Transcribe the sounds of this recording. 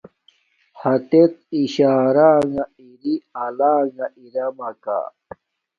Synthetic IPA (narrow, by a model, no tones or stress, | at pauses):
hɐt̪et̪̚iɕaːɾaːŋa | iɾiɐlaːŋɐʔiɾɐmɐka̰